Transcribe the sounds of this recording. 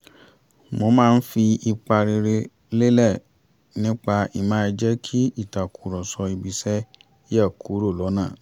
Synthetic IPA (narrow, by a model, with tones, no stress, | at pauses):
mo˧˨mãː˦˧n̩˦fi˧i˧k͡pa˧ɾe˧ɾe˧ | le˦lɛ˦˨ | nĩ˦k͡pa˧i˨mãː˨˦˧d͡ʒɛ˦kʰi˦i˦˨ta˨kʰu˨ɾɔ˨sɔ˧i˧ɡ͡bi˧sɛ˦ | ɛ˦˨ku˨˦ɾo˦˨lɔ˨˦nã˦˨